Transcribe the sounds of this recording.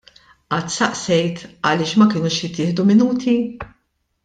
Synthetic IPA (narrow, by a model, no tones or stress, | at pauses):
ʔɐt̪ːsɐʔsɛjt̪ɐlɪːʃmɐkɪːnuːʃjɪt̪ːɪːħd̪umɪnuːt̪ʰi